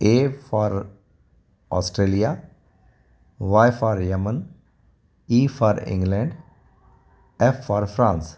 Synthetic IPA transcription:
eːfaːɾ | ɔ̰ːsʈɾeːlija | ʋajfaːɾjəmən | iːfaːɾɪ̰̃ŋɡlɛ̃ɳɖ | ɛfːaːɾfɾãːns

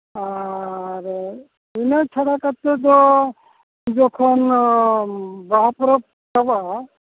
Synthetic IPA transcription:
aɾe | inat͡ʃʰaɽakat̪ed̪ɔ | d͡ʒɔkʰɔn | baɦapɔɾɔp̚ | kabaa

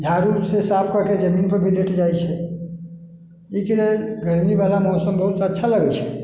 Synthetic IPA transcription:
d͡ʒʱaɾusesapʰkəɾked͡ʒəminpəɾbʱileʈd͡ʒajt͡ʃʰɛ | ikeɾeɡəɾmibalamɔsəmbəɦut̪ətːʃʰaləɡɛt͡ʃʰɛ̥

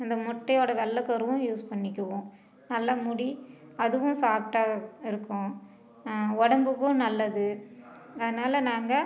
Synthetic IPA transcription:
ɪnd̪ɐmɔʈːɐjoːɽɐʋɛlːɐkɐɾɯʋʊ̃juːspɐɳːɪkʲːɯʋʊ̃ | nɐlːamʊɽiɐðɯʋʊ̃saːp̚ʈaːɣɐɪɾɯkːʊ̃ | ɔɽɐmbɯkːʊ̃nɐlːɐðɯ | ɐðɐnaːlɐnaːŋɡɐ

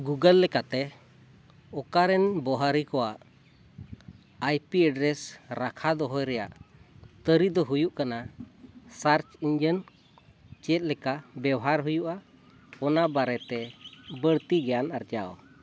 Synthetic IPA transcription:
ɡuɡəlːɛkat̪ɛ | ɔkaɾɛnbɔɦaɾikɔwaʔ | ajpiaɖɾɛsɾakʰad̪ɔɦɔjɾɛjaʔt̪əɾid̪ɔɦujuʔkana | saɾt͡ʃiɲd͡ʒən | t͡ʃɛt̪̚ˀlɛkabɛwɦaɾɦujuʔa | ɔnabaɾɛt̪ɛbəɽt̪iɡɛjanaɾd͡ʒawɔ̰

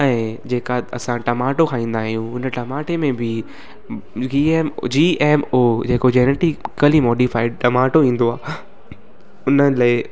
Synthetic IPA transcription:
ɛ̃ːd͡ʑeːkaɐ̰sãʈɐmaːʈokʰãːĩːn̆d̪aːɦijũʊnəʈɐmaːʈemẽbɪ | iːeːmd͡ʑiːʔeːmod͡ʑeːkod͡ʑeːneʈikːəlimɔːɖifaːɪɖ̚ʈɐmaːʈoĩːn̆d̪oaː | ʊnəlaːɪ

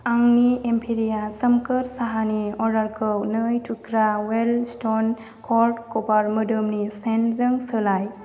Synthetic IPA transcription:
aŋniempʰiɾijasəmkəɾsaɦaniɔɾaɾkʰəwnəjtʰukɾawelston | kʰɔɾʈkɔpaɾmɯdɯmnisenzəŋsəlaj

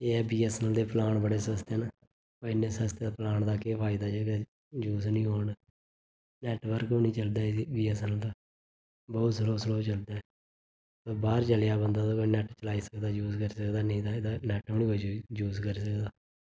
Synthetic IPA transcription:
eːɛːbiːɛːsɛnəld̪eːpəlaːɳbəɽeːsəəst̪ɛːnaː | pːɪnːẽːsəst̪ːplaːɳd̪aːkeːpʰaːɪd̪aːd͡ʒeːkː | d͡ʒuːsnĩːɦoːɳː | nɛːʈʋəɾkoːnĩːt͡ʃəld̪aːbiːɛːsɛːnəlt̪aː | bɔːt̪səloːsəloːt͡ʃəld̪aː | t̪oːbaːɾt͡ʃəljaːbənd̪aːt̪oːkoinɛːʈt͡ʃəlaːiːsəkd̪aːd͡ʒuːskəɾiːsəkd̪aːnĩːd̪aːed̪aːnɛːʈoːnikod͡ʒuːskəɾiːsəkd̪aː

